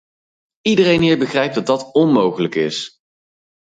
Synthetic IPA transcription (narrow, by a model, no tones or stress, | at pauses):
idərejnɦɪːɹbəχrɛjp̚dɑt̚dɑtɔnmowχələkɪs